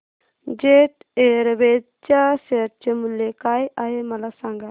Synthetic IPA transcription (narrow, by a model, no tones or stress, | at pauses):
d͡ʒeʈ | eɾbe | t͡ʃaseɾ̚t͡ʃəmuljekajaɦemɐlasaŋɡa